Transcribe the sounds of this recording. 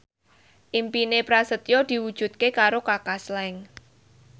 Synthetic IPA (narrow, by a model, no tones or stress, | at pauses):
ʔimpinepɾasət̪jɔd̪̥i̤wud̥ʒ̥ṳt̪̚kekaɾokakaslɛŋ